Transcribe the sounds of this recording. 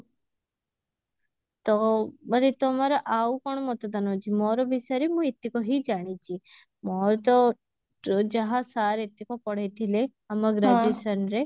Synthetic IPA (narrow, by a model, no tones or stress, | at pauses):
t̪ɔmɐnet̪ɔmaɾɔʔaukɔɳ̃mɔt̪ɔd̪anot͡ʃʰimɔɾɔbʱisəɾemũet̪ːikɔɦid͡ʒaɽ̃it͡ʃʰi | mɔɾt̪ɔ | d͡ʒaɦasaɾet̪ːikɔpɔɽ̤ejt̪ʰile | ɐmaɡɾad͡ʒesənɾe